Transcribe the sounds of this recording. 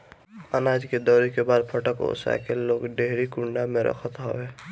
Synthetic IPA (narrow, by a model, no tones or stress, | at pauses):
ənaːd͡ʒked̪ɔːɾikebaːd̪pʰəʈəko̰sa̰keloːɡɖeɦɾikʊɳɖamẽɾə̰kʰət̪ɦo̰weː